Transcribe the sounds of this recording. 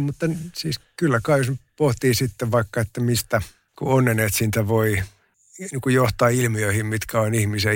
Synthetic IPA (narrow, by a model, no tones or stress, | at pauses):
mut̪ːɑnsiːskylːækɑiospoht̪iːsit̪ːeʋʋɑikːɑet̪ːæmist̪æ | kṵonːeneːt̪sint̪æʋoi | niːŋkujoht̪ɑːilmiøihimmit̪kæonihmise